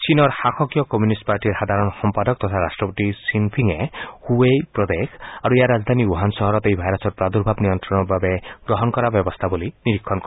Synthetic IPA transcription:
t͡ʃinɔɾhaxʰɔkjɔkɔmjunisʈpaɾʈiɾhad̪ʱaɾɔnxɔmpad̪ɔk̚t̪ɔt̪ʰaɾasʈɾɔpɔt̪isinpʰiŋehuepɾɔd̪ekʰaɾuejaɾad͡ʒd̪ʱaniuɦansɔɦɔɾɔt̪ejbʱajɾasɔɾpɾad̪uɾbʱabnijɔnt̪ɾɔnɔbabeɡ̥ɾɔɦɔnkɔɾabjɔbɔst̪ʰaboliniɾikʰːɔnkɔ

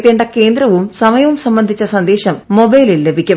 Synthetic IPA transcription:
t̪ːeːɳɖɐke̞ːnd̪ɾɐʋumsɐmɐjɐʋumsɐmbɐnd̪ʱit͡ɕːɐsɐnd̪eːɕɐmːo̞bɐjlilːebʱikʲːum

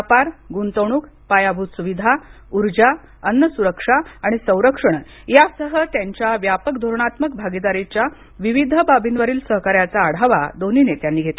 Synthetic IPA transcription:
apaɾɡunt̪əwɽ̃uːk | pajabʱut̪suʋid̪ʱa | uɾd͡ʑa | ənːəsuɾəkʂaːɽ̃isə̃w̃ɾəkʂəɳ̃ | jasəɦət̪jaɲt͡ɕjaʋjapəkd̪ʱoɾɳat̪məkbʱaɡid̪aɾet͡ɕja | ʋiʋid̪ʱəbabʱinʋəɾiːlsəɦkaɾjat͡saːɽ̤aʋa̰d̪oninet̪janːiːɡʱet̪la

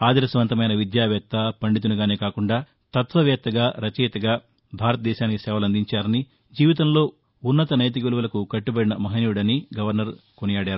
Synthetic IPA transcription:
aːd̪iɾɐsɐʋɐnt̪ɐmɐjnɐʋid̪jaːʋɛːk̚t̪ːɐpɐɳɖit̪̬unuɡaːneːkaːkuɳɖaː | t̪ɐt̪ʋɐʋjɛːt̪ːɐɡaːɾɐt͡ʃɛːt̪ɐɡaː | bʱaːɾɐt̪ɐd̪ɛːʃaːnikisɛːʋɐlɐnd̪iɲt͡ʃaːɾɐni | d͡ʒiːʋit̪ɐmlo̞ː | unːɐt̪ɐnɐjt̪̬ikiluʋɐlɐkukɐʈːibɐɽinɐmɐɦɐnuuɽɐniɡɐʋɐɾnɐɾkonijaːɽjaːɾu

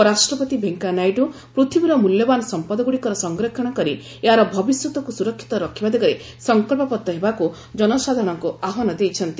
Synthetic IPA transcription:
ɔɾasʈɾɔpɔt̪ibʱeŋkanajɖu | pɾut̪ʰibiɾɔmuljɔbanɔsɔmpɔd̪ɔɡuɽikɔɾɔsɔŋɡɾɔkʰːɔɽ̃ɔkɔɾi | eɦaɾɔbʱɔbisjut̪ɔkusuɾɔkʰːi̥t̪ɔɾɔkʰibad̪eɡɔɾe | sɔŋkɔlpɔpɔt̪ːɔɦebaku | d͡ʒɔnɔsad̪ʱɾɽ̃ɔŋkuaɦɔnɔd̪ejt͡ʃʰɔnt̪i

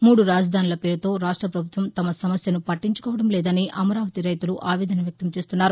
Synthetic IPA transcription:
muːɽuɾaːd͡ʒɐd̪ʱaːnilɐpe̞ːɾut̪o̞ːɾaːʂʈɾɐpɾɐbʱut̪ʋɐmt̪ɐmɐsɐmɐsjɐnupɐʈːiɲt͡ʃu̥kɔːʋɐɽɐmlɛːd̪ɐniʔɐmɐɾaːʋɐt̪iɾɐjt̪uluʔaːʋɛːd̪ɐnɐʋjɐk̚t̪ɐmt͡ʃe̞ːst̪unːaːɾu

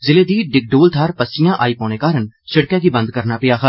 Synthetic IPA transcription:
zɪleːd̪iːɖɪk̚ɖoːlt̪ʰaːɾpəsɪjãːʔaːiːpõːɽ̃eːkaːɾənt͡ʃɪɽkjãːɡiːbənd̪̚kəɾnaːpɪjaːkʰə

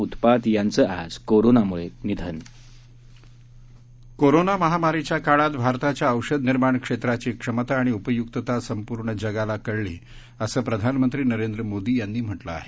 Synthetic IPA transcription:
ut̪pat̪jant͡səʔa̰d͡zkoɾonamuɭenid̪ʱən | koɾonaməɦamaɾit͡ɕjakaɭat̪bʱaɾt̪at͡ɕjaəwʂəd̪niɾmaɳkʂet̪ɾat͡ɕiːkʂəmət̪aːɽ̃iupəjukt̪ət̪asəmpuɾɳəd͡ʑəɡalakəɽlḭː | əsəːpɾəd̪ʱanmənt̪ɾiːnəɾend̪ɾəmod̪iːjanːiːm̤əʈləa̰ɦe

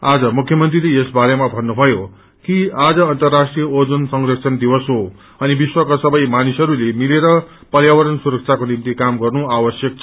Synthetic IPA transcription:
ad͡zʌmukʰjʌmʌnt̪rileesbaɾemabʱʌnːubʱʌjo | kiad͡zʌʌnt̪ʌrːasʈrijʌod͡zonsʌŋrʌksʰʌnd̪ibʌsɦo | ʌnibiswʌkasʌbʌjmanisʌɾulemileɾʌ | pʌrjawʌɾʌnsuɾʌk̚t͡sʰakonimt̪ikamɡʌrnuabʌsjʌk̚t͡sʰʌ

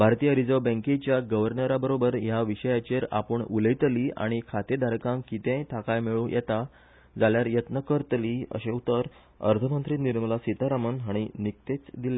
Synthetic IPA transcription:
bʱaɾt̪ijəɾid͡zəʋbə̃ŋket͡ɕjaɡəʋəɾnəɾabəɾobəɾjaʋiɕəjat͡ɕeɾa̰pəɳuləjt̪liːa̰ɽ̃ikʰat̪ed̪ʱaɾkãŋkit̪ẽʈ̪ʰakajmeɭũːjʔɛ̰t̪a | d͡zaljaɾjət̪nəkəɾt̪liːə̰ɕeut̪əɾ | ə̰ɾt̪ʰəmənt̪ɾiːniɾməlasit̪aɾamənɦaɽ̃inik̚t̪et͡sd̪ilːe

